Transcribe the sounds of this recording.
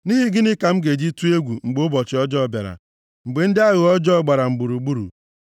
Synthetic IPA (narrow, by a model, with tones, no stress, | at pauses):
ni˦ɦi˦ɡɪ˦nɪ˦ka˨m̩˦ɡe˨d͡ʒi˦tu˦e˦ɡʷu˨ŋ͡m̩˨ɡ͡bo˦bɔ˨t͡ʃɪ˨˦ɔ˦d͡ʒɔ˦˨ba̰˨ɾa̰˨ | ŋ͡m̩˨ɡ͡be˨n̩˦dɪ˦a˦ɣʊ˨ɔ˦d͡ʒɔ˦˨ɡ͡ba˨ɾa˨ŋ͡m̩˨ɡ͡bu˨ɾu˨ɡ͡bu˦ɾṵ˨